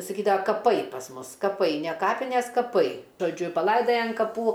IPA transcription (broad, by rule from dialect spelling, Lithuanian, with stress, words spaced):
sɐˈkʲiːdɐʋɐ kɐˈpɐɪ pɐs ˈmʊs kɐˈpɐɪ nʲɛ ˈkɑːpʲɪnʲɛs kɐˈpɐɪ ʒoːˈd͡ʒʲʊ pɐˈlˠɐɪdɐjɛ ɐn kɐˈpuː